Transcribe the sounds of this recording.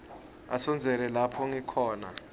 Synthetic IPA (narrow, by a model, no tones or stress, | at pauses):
a̰sɔnd͡zʱɛlɛlapʰɔŋikʰɔːna̰